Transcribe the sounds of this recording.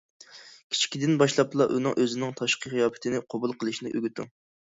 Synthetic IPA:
kʲʰi̥t͡ʃʰi̥kʲid̪ɪnbɑʃlˠɑplˠɑʔunɪŋʔøzɪnɪŋt̪ʰɑʃqʰəχɨjɑːpɪ̥t̪ʰɪnɪqʰobulˠqʰəlˠɨʃnɪʔøɡʲyt̪ʰṵ

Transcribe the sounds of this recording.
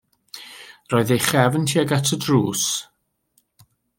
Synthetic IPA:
rɔːɨðejχɛvəntʰiaɡatʰədruːs

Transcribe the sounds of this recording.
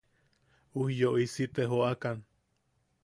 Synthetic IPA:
uhjoʔisit̪eɦoakan

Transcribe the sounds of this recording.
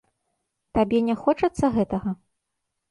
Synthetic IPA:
t̪abʲɛnʲɛxɔt͡ʂɐt̪sːɐɣɛt̪ɐɣɐ

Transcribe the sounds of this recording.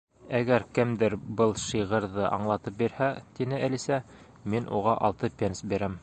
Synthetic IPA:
æɡæɾkɘmd̪ɘɾbɤlˠʃɤʁɤ̆ɾðɤʔɑ̰ɴlˠɑt̪ɤp̚biɾhæt̪inɘʔælisæ | minʔṵʁɑʔɑlˠt̪ɤpʲensbiɾæm

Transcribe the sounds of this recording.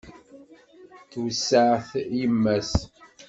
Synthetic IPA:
θwsːəʕθjəmːæs

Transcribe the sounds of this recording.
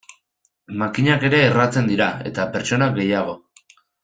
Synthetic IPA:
makiɲake̞ɾe̞ːrat͡se̞nd̪iɾae̞̰t̪ape̞ɾt͡ʃo̞naɡe̞jaɣ̞o̞

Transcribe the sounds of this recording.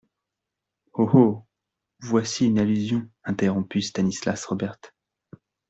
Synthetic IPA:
oho | vwasiynalyzjɔ̃ɛ̃t̪eʁɔ̃pyst̪anislasʁɔbɛʁt̪

